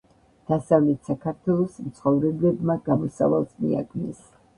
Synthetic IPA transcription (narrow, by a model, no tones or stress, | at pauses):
d̪̥asavlɛt̪ʰsakʰaɾt̪ʰwɛlˠɔsmt̪sʰχɔvɾɛbɛbmaɡamɔsa̰valˠsmḭa̰ɡnɛs